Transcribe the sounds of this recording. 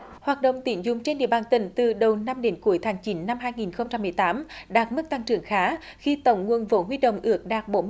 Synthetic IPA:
hwaː˨˩t̚ɗə̰˧˨wŋ͡mt̪i˨˧˩nzʊ̰˨˩ŋ͡mt͡ɕe˧nɗḭ˧˨əɓaː˨˩nt̪ï˧˩ŋ̟t̪ɨ˨˩ɗə˨˩wna˧mɗe˨˦nku˧˦əjt̪ʰaː˨˦ŋt͡ɕi˨˦nːa˧mɦaː˧jŋi˨˩nxə˧wŋ͡mt͡ɕa˧mːɨ˨˩əjt̪aː˨˦mɗaː˨˩t̚mɨ˦˥k̚t̪a˧ŋt͡ɕɨ̰˨˩əŋxaː˨˦ | xi˧t̪ə˧˩wŋ͡mŋu˨˩ənvo˨˦ɦwi˧ɗə̰˧˨wŋ͡mʔɨ˦˥ək̚ɗaː˨˩k̚ɓo˧˦

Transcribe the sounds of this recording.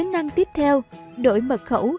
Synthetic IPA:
ə˨˦nna˧ŋt̪i˦˥əp̚t̪ʰɛ˧wɗo̰˧˩jmə˨˩t̚xə̰˧˥w

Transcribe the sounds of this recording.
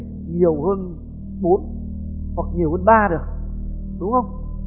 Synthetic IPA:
ɲi˨˩əwhəː˧n | ɓo˨˦n | hwa˨˩k̚ɲi˨˩əwhəː˧nɓaː˧ɗɨ˨˩ək̚ | ɗʊ˨˦ŋ͡mhə˧wŋ͡m

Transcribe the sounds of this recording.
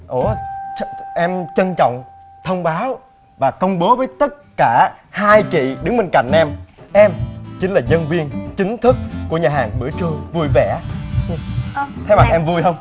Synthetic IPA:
ʔo˧˩˧ | ʔɛ˧mt͡ɕə˧nt͡ɕɔ̰˧˨wŋ͡m | t̪ʰə˧wŋ͡mɓaː˨˦w | vaː˨˩kə˧wŋ͡mɓo˨˦vəː˨˦jt̪ə˦˥t̚kaː˧˩haː˧jt͡ɕḭ˧˨ɗɨ˨˦ŋɓe˧nka̰˧˩jŋ̟ʔɛ˧mʔɛ˧mt͡ɕi˨˦ŋ̟laː˨˩ɲə˧nvi˧ənt͡ɕï˨˦ŋ̟t̪ʰɨ˦˥k̚ːu˧˩əɲaː˨˩ɦaː˨˩ŋmɨ̰˧˩ət͡ɕɨ˧əvu˧jvɛ˧˩ɲ˧t̪ʰe˨˦ma˨˩k̚ʔɛ˧mvu˧jɦə˧wŋ͡m

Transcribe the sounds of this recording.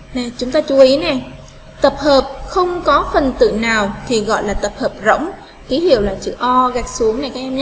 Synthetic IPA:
nɛ˨˩t͡ɕʊ˨˦ŋ͡mt̪aː˧t͡ɕu˨˦ʔi˨˦nɛ˨˩ | t̪ə˨˩p̚həː˨˩p̚xə˧wŋ͡mkɔ˨˦fə˨˩nt̪ɨ̰˧˨naː˨˩wt̪ʰi˨˩ɣɔ̰˧˨jlaː˨˩t̪ə˨˩p̚həː˨˩p̚zə̰˧˥wŋ͡m | ki˨˦hḭ˧˨əwlaː˨˩t͡ɕɨ̰˧˨ʔɔ˧ɣa˨˩k̚su˨˦əŋna˨˩jkaː˨˦kʔɛ˧mɲa˦˥

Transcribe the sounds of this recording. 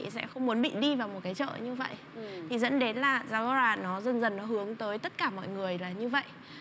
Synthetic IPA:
sɛ̰˧˥xə˧wŋ͡mmu˨˦ənɓḭ˧˨ɗi˧vaː˨˩wmo˨˩t̚kaː˨˦jt͡ɕə̰ː˧˨ɲɨ˧və̰˧˨jʔ | t̪ʰi˨˩zə̰˧˥nɗe˨˦nlaː˨˩zaː˧˩ɣə˧zaː˧nɔ˨˦zə˨˩nzə˨˩nːɔ˨˦ɦɨ˨˦əŋt̪əː˨˦jt̪ə˦˥t̚kaː˧˩mɔ̰˧˨jŋɨ˨˩əjlaː˨˩ɲɨ˧və̰˧˨jʔ

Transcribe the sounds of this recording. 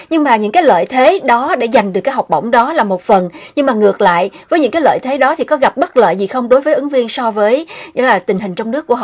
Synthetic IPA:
ɲɨ˧ŋmaː˨˩ɲɨ̰˧˥ŋkaː˨˦jlə̰ː˧˨jt̪ʰe˨˦ɗɔ˨˦ɗe˧˩za˨˩jŋ̟ɗɨ˨˩əkːaː˨˦jɦa˨˩k͡p̚ɓə̰˧˩wŋ͡mɗɔ˨˦laː˨˩mo˨˩t̚fə˨˩nɲɨ˧ŋmaː˨˩ŋɨ˨˩ək̚la̰ː˧˨jʔvəː˨˦jɲɨ̰˧˥ŋkaː˨˦jlə̰ː˧˨jt̪ʰe˨˦ɗɔ˨˦t̪ʰi˨˩kɔ˨˦ɣa˨˩p̚ɓə˦˥t̚lə̰ː˧˨jzi˨˩xə˧wŋ͡mɗo˨˦jvəː˨˦jʔɨ˨˦ŋvi˧ənsɔ˧vəː˨˦jə̰˧˦˥laː˨˩t̪ï˨˩ŋ̟hï˨˩ŋ̟t͡ɕɔ˧wŋ͡mnɨ˦˥kːu˧˩˨

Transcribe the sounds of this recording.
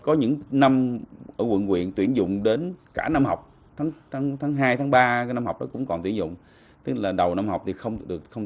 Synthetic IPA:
kɔ˨˦ɲɨ̰˧˥ŋna˧mʔəː˧˩kwə̰˧˨nkwḭ˧˨ənt̪wi˧˩ənzʊ̰˧˨ŋ͡mɗe˨˦nkaː˧˩na˧mha˨˩wk͡p̚ | t̪ʰaː˨˦ŋt̪ʰaː˨˦ŋt̪ʰaː˨˦ŋɦaː˧jt̪ʰaː˨˦ŋɓaː˧kːna˧mha˨˩wk͡p̚ɗɔ˨˦kʊ̰˧˥ŋ͡mkɔ˨˩nt̪wi˧˩ənzʊ̰˧˨ŋ͡m | t̪ɨ˦˥k̚laː˨˩ɗə˨˩wna˧mha˨˩wk͡p̚t̪ʰi˨˩xə˧wŋ͡mɗɨ˨˩ək̚xə˧wŋ͡m

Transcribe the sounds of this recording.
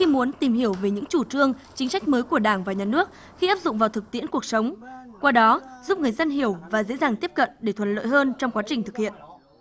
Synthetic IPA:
xi˧mu˨˦ənt̪i˨˩mɦi˧˩əwve˨˩ɲɨ̰˧˥ŋt͡ɕu˧˩t͡ɕɨ˧əŋ | t͡ɕï˨˦ŋsa˦˥jk̟̚məː˨˦jku˧˩əɗaː˧˩ŋvaː˨˩ɲaː˨˩nɨ˦˥ək̚ | xi˧ʔaː˦˥p̚zʊ̰˧˨ŋ͡mvaː˨˩wt̪ʰɨ˨˩k̚t̪ḭ˧˥ənku˨˩ək̚sə˨˦wŋ͡mkwaː˧ɗɔ˨˦zu˦˥p̚ŋɨ˨˩əjzə˧nɦi˧˩əwvaː˨˩zḛ˧˥zaː˨˩ŋt̪i˦˥əp̚kə̰˧˨nɗe˧˩t̪ʰwə˨˩t̚lə̰ː˧˨jɦəː˧nt͡ɕɔ˧ŋ͡mkwaː˨˦t͡ɕï˨˩ŋ̟t̪ʰɨ˨˩k̚hḭ˧˨ən

